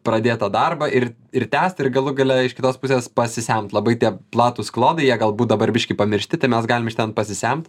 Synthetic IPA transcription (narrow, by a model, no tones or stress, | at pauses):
pɾɐd̪ʲeːt̪ɑd̪ɐrbɐʔɪr | ɪrt̪ʲæːsʲt̪ɪrɡɐlˠʊɡɐlʲɛɪʃkʲɪt̪oːspʊsʲeːspɐsʲɪsʲæmt̪lˠɐbɐɪt̪ʲiɛplˠɑːt̪uːsklˠoːd̪ɐɪjiɛɡɐlˠbuːt̪d̪ɐbɐɾʲbʲɪʃʲkʲɪpɐmʲɪɾʲʃʲt̪ʲɪt̪ɐɪmʲɛsɡɑːlʲɪmɪʃt̪ʲɛnpɐsʲɪsʲæmt̪